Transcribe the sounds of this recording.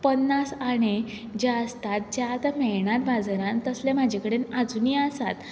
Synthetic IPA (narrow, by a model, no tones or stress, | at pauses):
pənːasaɽ̃e | d͡ʑaəst̪at̪̚d͡ʑjat̪amɛɭɳaɾbʱad͡zɾãnt̪əslẽm̤ad͡ʑʱekəɽenad͡zuniasat̪